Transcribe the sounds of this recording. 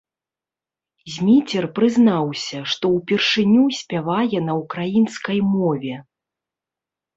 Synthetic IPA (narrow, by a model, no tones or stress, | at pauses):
zʲmʲit͡sʲɛrpɾɨznawsʲɐʂt̪ɔwpʲɛrʂɨnʲusʲpʲavajɛnɐukɾajinskɐjmɔvʲɛ